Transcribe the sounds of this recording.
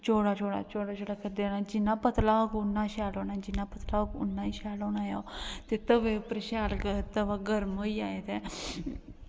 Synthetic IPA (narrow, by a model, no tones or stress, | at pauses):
t͡ʃoːɽaːt͡ʃoːɽa̰ːt͡ʃoːɽaːt͡ʃʰoːɽaːkʰəɾd̪enaːd͡ʒɪnːãːpət̪laːokʊnːãːʃaːloːnãːd͡ʒɪnãːpət̪laːokʊ̰nːãːiːʃaːloːnaːja̰t̪eːt̪əʋẽːpɾəʃaːlkt̪əʋaːɡəɾmoːiːaːeːt̪eː